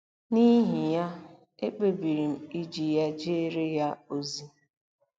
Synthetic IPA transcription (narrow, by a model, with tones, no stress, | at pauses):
ni˦ɦi˨ja˦ | e˦k͡pe˨bi˨ɾi˨m̩˨i˦d͡ʒi˨ja˦d͡ʒe˦e˦ɾe˦ja˦o˦zi˦